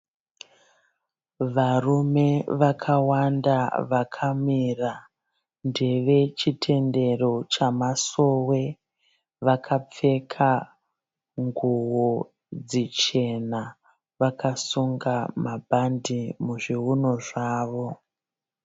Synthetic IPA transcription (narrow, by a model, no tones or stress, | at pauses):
ʋarume̞ʋakʰawandaʋakʰamira | nde̞ʋe̞t͡ʃitʰe̞nde̞ro̞t͡ʃamaso̞we̞ | ʋakʰap͡fe̞kʰa | ŋɡuwo | d͡zit͡ʃe̞na | ʋakasuŋɡamabʱandimuʐiɦuno̞ʐaːʋo̞